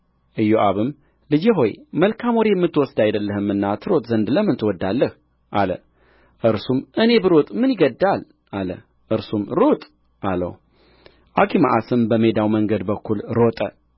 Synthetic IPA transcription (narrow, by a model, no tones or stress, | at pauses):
ʔɨjːoʔaβɨm | lɨd͡ʒɛɦo̞jməlkʰamoɾejɛmːɨt̪ʰːwɔsd̪ajd̪əlːəhɨmːɨnːat̪ʰɨɾo̞t̪ʼzənd̪ləmːɨnt̪ʰɨwɔd̪ːalːəh | ʔalə̰ | ʔɨɾsumʔɨne̞bɨɾo̞t̪ʼmɨnjɪɡəd̪ːal | ʔalə̰ | ʔɨɾsumɾot̪ʼ | ʔalə̰w | ʔakʰima̰ʔasɨmbəme̞d̪awməŋɡəd̪bəkʰːulɾo̞t̪ʼə